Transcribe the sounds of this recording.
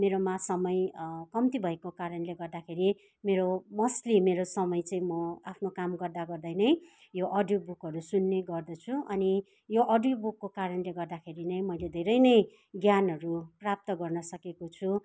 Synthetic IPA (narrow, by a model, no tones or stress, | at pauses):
meɾomasʌmʌjkʌmt̪ibʱʌekokaɾʌnleɡʌrd̪akʰeɾi | meɾomʌslimeɾosʌmʌjt͡sʌĩmʌapʰnokamɡʌrd̪aɡʌrd̪ʌjnʌj | joʔʌɖjubukɦʌɾusunːeɡʌrd̪ʌt͡sʰuʔʌni | joʔʌɖjubukːokaɾʌnleɡʌrd̪akʰeɾinʌj̃mʌjled̪ʱeɾʌjnʌj | ɡjanɦʌɾuprap̚t̪ʌɡʌrnʌsʌkekot͡sʰu